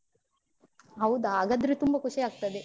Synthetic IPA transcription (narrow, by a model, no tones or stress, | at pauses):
ɐwud̪aːɡɐd̪ɾit̪umbɐkuʂiaːɡ̚t̪ɐd̪e